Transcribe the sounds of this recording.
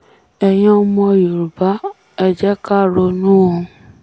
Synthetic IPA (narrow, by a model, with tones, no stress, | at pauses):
ɛ˧j̃ɔ̃˧˦˧mɔ̃˧˨jo˨ɾu˨ba˨˦ | ɛ˧d͡ʒɛ˦ka˦˨ɾo˧nũ˦õ˧